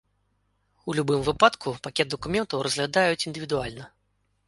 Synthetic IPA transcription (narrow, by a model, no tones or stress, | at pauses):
ulʲubɨmvɨpat̪kʰupakʲɛt̪̚d̪əkumʲɛnt̪ɐwɾɐzɣlʲad̪ajut͡sʲind̪ɨvʲid̪ualʲnɐ